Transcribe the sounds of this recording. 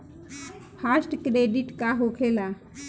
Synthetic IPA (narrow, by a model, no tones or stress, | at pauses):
pʰasʈkɾeɖiʈkaɦokʰela